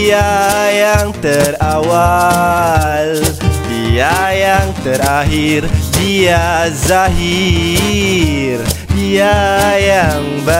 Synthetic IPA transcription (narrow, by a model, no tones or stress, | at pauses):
ajaŋt̪ərawa | lbiajaŋt̪əɾaɦirbiazaɦi | rbiajaŋbə